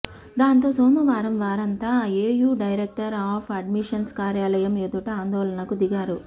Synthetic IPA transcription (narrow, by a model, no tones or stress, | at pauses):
d̪aːnt̪o̞ːsoːmɐʋaːɾɐmʋaːɾɐnt̪aːeːjuːɖɐjɾek̚ʈɐɾaːpʰɐɖmiʂɐnskaːɾjaːlɐjɐmed̪uʈɐaːnd̪ɔːlɐnɐkud̪iɡaːɾu